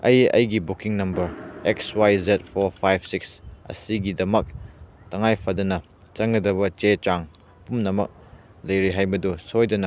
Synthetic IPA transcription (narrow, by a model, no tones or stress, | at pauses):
ɐjɐ̰jɡibukiŋnɐmbɐɾekswajzet̚pʰoɾpʰajb̚siksɐ̰siɡidɐmɐk̚ | tɐŋajpʰɐdɐnɐ | t͡ʃɐŋɐdɐβɐt͡ʃet͡ʃaŋ | ɐpumnɐmɐk̚ | lɐjɾiɦajbɐdusojdɐnɐ